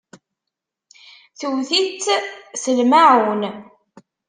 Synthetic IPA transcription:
θəwθit͡sːsəlmaʕwn

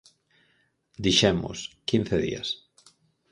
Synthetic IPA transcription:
d̪iʃɛmʊ̰skin̟θeðḭa̰s

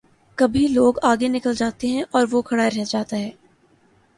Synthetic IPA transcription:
kɐbʱiloːɡaːɡenɪkəld͡ʒaːt̪eɦɛ̃ʔɔːɾʋokʰɐɽaːiɾɛɦd͡ʒaːt̪aɦɛː

